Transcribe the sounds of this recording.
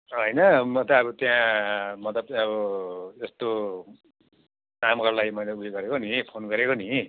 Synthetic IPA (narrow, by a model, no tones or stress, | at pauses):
ɦʌjnʌmʌt̪ʌːβʌt̪jãmʌt̪ʌpʌbʌest̪o | namkʌrlajmʌjlauiɡʌɾekonipʰonɡʌɾekoni